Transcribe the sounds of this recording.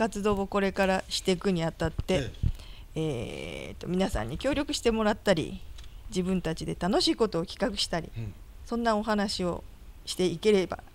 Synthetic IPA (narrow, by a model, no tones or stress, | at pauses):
kat͡sɨd̪o̞ːoko̞ɾe̞kaɾaɕi̥t̪e̞kɯ̟ɲ̟iat̪at̪ːe̞ | eːt̪ːo̞̰mʲinasã̰ɲ̟ːikʲo̞ːɾʲjo̞kɯ̟ɕi̥t̪e̞mo̞ɾat̪ːaɾʲḭd͡ʑibɯ̟̃nt̪at͡ɕid̪e̞t̪ano̞ɕiːko̞t̪o̞ːkʲi̥kakɯ̟̥ɕi̥t̪aɾʲḭ | sõ̞nːao̞ɦanaɕio̞̰ | ɕi̥t̪e̞ike̞ɾe̞ba̰